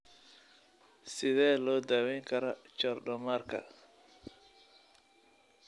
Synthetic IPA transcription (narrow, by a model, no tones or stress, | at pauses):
sɪðɛːlɔːd̪aːwɛjŋkʰɐɾɐt͡ʃɔrɖɔmaːrkʰɐ̰